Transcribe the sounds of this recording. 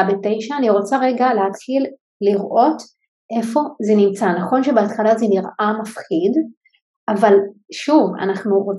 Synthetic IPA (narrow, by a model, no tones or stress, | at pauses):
betejʃaːniʁo̞t͡saʁeɡaleɦat̪χil | liʁʔo̞t | ʔe̞fo̞zenimt͡sanaχo̞nʃebeat̪χalazeniʁamafχid | ʔavalʃuva̰naχnuʁo